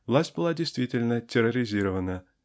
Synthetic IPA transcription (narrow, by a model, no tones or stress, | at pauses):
vlˠasʲt̚ʲbɨlˠadʲejst̪vʲitʲɪlʲnətʲɪroɾʲizʲiɾəvənə